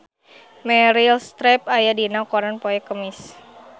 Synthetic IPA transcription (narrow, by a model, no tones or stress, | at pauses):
mɛɾilst̪ɾɛp̚ajadinawkɔɾanpɔɛkəmis